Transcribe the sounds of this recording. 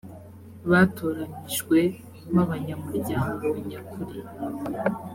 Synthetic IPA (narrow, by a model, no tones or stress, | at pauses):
βatoːɾaɲiʒɡwe̞ | maβaɲamuɾɟaːŋɡo̞jakʰuɾi